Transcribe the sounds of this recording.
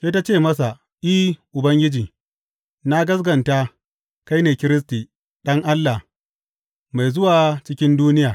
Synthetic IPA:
seː˦ta˦t͡ʃeː˦˨mɐ˦s̬a˨ | ʔiː˦ʔʊ˨bɐ˦ŋɡʲɪ˦d͡ʒiː˨ | na˦ɡɐ˦s̬ɡɐ˨nta˦ | ka˦jneː˨kʲɪ˦ɾɪ˦s̬ti˨ | ɗɐ˦ŋʔa˦lːa˨ | ma˨jzʊ˦waː˨t͡ʃɪ˦kʲɪ˦nduː˦nɪ˦jaː˨

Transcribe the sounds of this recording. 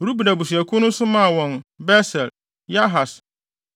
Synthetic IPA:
ɾu˦bu˨da˨bu˨s̬u˨æ˨kʰʊ˦nʊ̃˦sʊ˦mã˦˨wɔ̃˨nbɛ˦sɛ˨l | ja˦ɦa˨s

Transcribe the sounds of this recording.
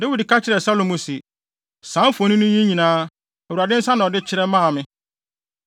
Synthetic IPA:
de˦wi˨di˨kʰa˦t͡ɕʰɪ˦ɾɛ˨sa˦lo˨mũ˨si˨ | sã˨˦fo˨˦nĩ˦nʊ̃˦jĩ˦ɲĩ˨nãː˦ | ɛ˨wu˨ɾa˨dɪ̃˦n̩˦sa˦nʊ̃˨ɔ˨dɪ˦t͡ɕʰɪ˦ɾɛ˦mã˦a˨mɪ̃˦

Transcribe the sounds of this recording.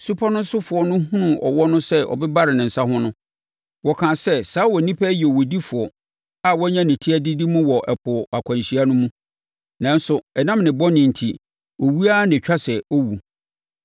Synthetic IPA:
su˦pʰa˦nʊ̃˦n˦sʊ˦fʊ˨ɔ˦nʊ̃˦ɦũ˦nũ˨ʔɔ̰˨wɔ˦nʊ̃˦sɛ˦ʔɔ̰˨bɛ˦ba˦ɾɪ˨nɪ̃˨n̩˨sa˦hʊ̃˦nʊ̃˦ | wɔ˨kʰãː˨sɛ˦saː˨˦wɔ˨nĩ˦pʰɛ˦jɛ˨wo˨di˦fʊ˨ɔ˨ | a˦˨wɔ˦ɲã˦nɪ̃˨tʰi˦æ˦di˦di˦mʊ̃˦wɔ˨ʔɛ˨pʰʊ˨a˨kʷʰã˨n˨ɕi˨a˦nʊ̃˦mũ˦ | nã˨n˦sʊ˨ɛ˨nã˦mnɪ̃˨bɔ˦nɪ̃˨n̩˨tʰi˨ | wɔ˨wu˦a˦nɪ̃˨t͡ɕᶣa˦sɛ˨ɔ˦wu˨

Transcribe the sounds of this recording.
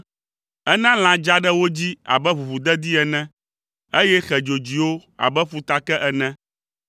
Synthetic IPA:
ɛ˦nã˦l̃ã˨d͡ʒa˦ɖɛ˦wo˦d͡ʑi˦a̰˨bɛ˦βu˨βu˨d̪ɛ˦d̪i˦ɛ˨nɛ̃˦ | e˦jɛ˦xɛ˨d͡ʒo˨d͡ʑi˨wo˦a̰˨bɛ˦ɸu˨t̪a˨kɛ˦ʔɛ˨nɛ̃˦

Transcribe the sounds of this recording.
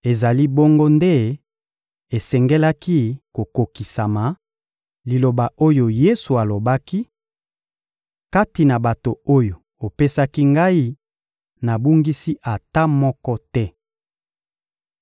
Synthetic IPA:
e˨za˨li˦bo˦ŋɡo˦nde˦ | e˨sɛ˨ŋɡɛ˦la˦ki˦ko˨ko˨ki˨sa˨ma˨ | li˨lo˨ba˨ʔo˦jo˨je˦su˨a˨lo˨ba˦ki˦ | ka˦ti˨na˨ba˨to˨o˦jo˨ | o˨pe˦sa˦ki˦ŋɡa˦i˦ | na˨bu˦ŋɡi˦si˦ʔa˨ta˦mɔ˦kɔ˦tɛ˦

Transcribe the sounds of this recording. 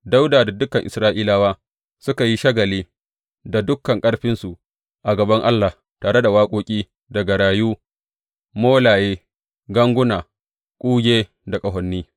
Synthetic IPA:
da˦wdaː˨da˨dʊ˦kːɐ˨ŋʔɪ̰˨sɾaː˦ʔiː˦laː˦waː˦ | sʊ˦ka˨ji˦ʃɐ˦ɡɐ˨liː˦ | da˨dʊ˦kːɐ˨ŋkʼɐ˦ɽɸɪ˦nsu˨ʔ | ʔa˨ɡɐ˨bɐ˦ŋʔa˦lːa˨ | taː˨ɽe˦da˨waː˦kʷʼoː˦kʲʼiː˦ | dɐ˨ɡa˨ɽaː˨juː˦ | moː˦laː˨jeː˦ | ɡɐ˦ŋɡʷʊ˦naː˨ | kʷʼuː˦ɡʲeː˦ | da˨kʼɐ˨ɦɔ˨nːiː˦

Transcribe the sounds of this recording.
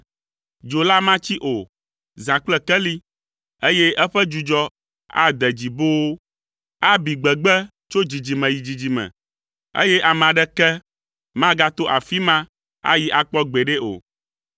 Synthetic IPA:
d͡ʒo˨la˦mã˦t͡ɕi˦ʔo˨ | zã˨k͡plɛ˦kɛ˦li˦ | e˦jɛ˦ʔɛ˦ɸɛ˦d͡ʒu˨d͡ʒɔ˦ | a̰˦d̪ɛ˨d͡ʑi˨bo˦wo˦ | a˦bi˨ɡ͡bɛ˨ɡ͡bɛ˦ | t͡ʃo˦d͡ʑi˨d͡ʑi˨mɛ̃˨ji˨d͡ʑi˨d͡ʑi˨mɛ̰̃˨ | ḛ˦jɛ˦ʔa˨mã˨ɖɛ˦kɛ˦ | mã˦ɡa˦t̪o˦ʔa˨fi˦mã˦ | a̰˦ji˦ʔa˨k͡pɔ˦ɡ͡be˨ɖe˦o̰˨

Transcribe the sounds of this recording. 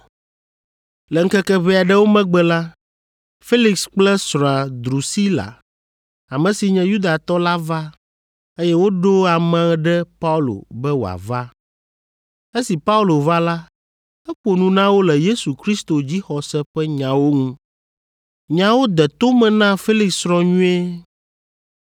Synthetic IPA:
lɛ˨ŋ̩˦kɛ˦kɛ˦βɛ˦a˨ɖɛ˦wo˦mɛ̃˦ɡ͡bɛ˦la˦ | fe˦li˨ksk͡plɛ˦sɾ̃a˨d̪ɾu˨si˦la̰˨ | a˨mɛ̃˨si˨ɲɛ̃˨ju˦d̪a˨t̪ɔ˦la˦va˦ | e˦jɛ˦wo˦ɖo˦a˨mɛ̃˨˦ɖɛ˦pa˦u˦lo̰˨bɛ˦wo˨a̰˨va˦ | e˦si˨pa˦u˦lo˨va˦la˦ | ɛ˦k͡po˨nũ˨nã˦wo˦lɛ˨je˦su˨kɾi˦st̪o˨d͡ʑi˦xɔ˨sɛ˦ɸɛ˦ɲã˨wo˦ŋũ˦ | ɲã˨wo˦d̪ɛ˨t̪o˦mɛ̃˨nã˦fe˦li˨kssɾɔ˨ɲũ˦e˦

